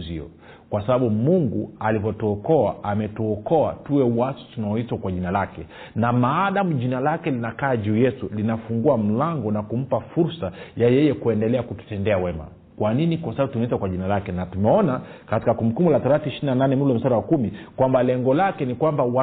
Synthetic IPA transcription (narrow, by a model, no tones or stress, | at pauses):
ziɔ̰ | kwasaɓaɓumuŋɡualivɔtuɔkɔaʔamɛtuɔkɔatuwɛuwasɔ̥tunaɔitwakwaʄinalakɛ | namaːɗamuʄinalakɛlinakaːʄuːjɛtulinafuŋɡuam̩laŋɡɔnakum̩pafuɾsajajɛjɛkuɛndɛlɛakutu̥tɛndɛawɛma̰ | kwaninikwasaɓaɓutunɔitwakwaʄinalakɛnatumɛɔnakati̥kakumkumulataɾaθiʃininananɛmulɔm̩saɾawakumikwambalɛŋɡɔlakɛnikwambawa